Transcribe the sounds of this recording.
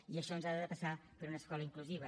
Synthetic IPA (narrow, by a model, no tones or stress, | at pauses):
iəʃɔnzaðəðəpəsapəɾunəːskɔləiŋkluziβ̞ə